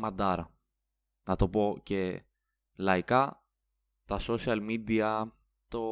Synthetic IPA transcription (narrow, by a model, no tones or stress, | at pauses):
mɐnd̪ɐɾɐ̰ | nɐt̪o̞po̞ce̞ | lɐikɐ | t̪ɐsosiɐlmid̪iɐ | t̪o̞